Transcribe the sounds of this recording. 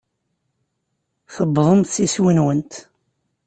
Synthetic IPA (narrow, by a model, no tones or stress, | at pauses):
θəbðˤəmt̪siswinwənt̪